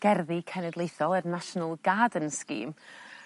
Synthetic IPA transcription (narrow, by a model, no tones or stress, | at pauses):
ɡ̥ɛrðikʰɛnɛdlˠejθɔlˠərnaʃnəlˠɡaːdənskḭːm